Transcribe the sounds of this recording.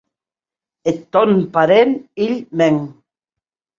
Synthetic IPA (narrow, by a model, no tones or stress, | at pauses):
et̪ɔnpaɾeniʎmeŋ